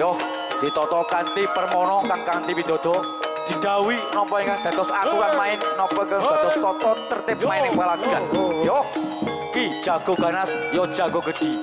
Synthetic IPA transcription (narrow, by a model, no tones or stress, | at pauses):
jɔh | d̪̥it̪ɔt̪ɔkant̪ipərmɔnɔkaŋkant̪ipid̪̥ɔ̤d̪̥ɔ̤ | d̪̥i̤d̪̥ä̤winɔpɔiŋkaŋd̪̥ä̤t̪ɔsat̪uɾanmaɪnnɔpɔkəŋd̪ad̪ɔst̪ɔt̪ɔt̪ərt̪ɪp̚mmaɪnɪŋwalad̪ianjɔh | kid̥ʒ̥a̤ɡ̥ɔ̤ɡ̥ä̤nasjɔd̥ʒ̥aɡ̥ɔ̤ɡ̥əd̪̥i